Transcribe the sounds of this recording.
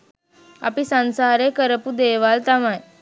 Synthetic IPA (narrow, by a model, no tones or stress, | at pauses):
a̰pisãnsaɾekəɾəpud̪eʋalt̪amãj